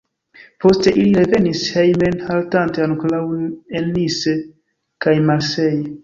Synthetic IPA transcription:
po̞ste̞ʔiliɾe̞ve̞nishejmenhaltanteanklawelːise | kajmaɾsej

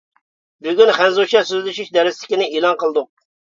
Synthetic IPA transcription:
byɡʲynχænzut͡ʃɑsyzlɪʃiʃd̪ɛɾɪslɪ̥kʲɪnɪilˠɑnqəlˠd̪ʊq̚

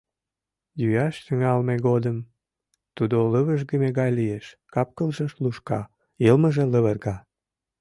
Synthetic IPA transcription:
jyɑʃt̪yŋɑlmeɣod̪əm | t̪ud̪oləβəʒɣəmeɣɑjlijeʃkɑp̚kəlʒəʃluʃkɑ | ilməʒĕləβərɣɑ

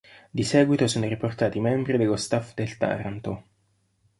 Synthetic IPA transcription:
d̪isɛːɡwit̪osoːnoɾiport̪aːt̪imɛmbɾid̪elːost̪afd̪elt̪a̰ːɾant̪o

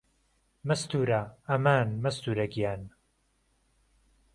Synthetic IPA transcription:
mɐst̪uːɾaɐmaːnmɐst̪uːɾɐɡijaːn

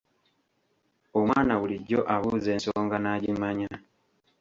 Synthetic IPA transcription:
o̞mwaːnaβuliɟːo̞ʔaβuze̞ːnso̞ːŋɡanaːɟimaɲa

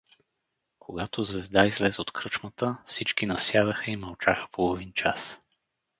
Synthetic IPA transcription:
kʰoɡat̪ozvɛzd̪aizlɛzɛot̪kɾɤt͡ʃmət̪əfsit͡ʃkinɐsjad̪əxəimɐlˠt͡ʃaxə̥polˠovint͡ʃas

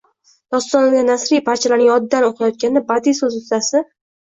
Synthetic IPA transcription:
d̪̥ɒst̪ɒnaɡ̪ʲanasɾijpʰaɾt͡ʃʰalaɾnɪŋɒd̪ɪd̪anoqʰajɒt̪̚kʲanɪbad̪isɵzʊst̪asɪ

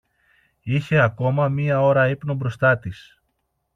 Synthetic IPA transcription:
içe̞ɐko̞mɐmiɐo̞ɾɐipno̞bɾo̞st̪ɐt̪is

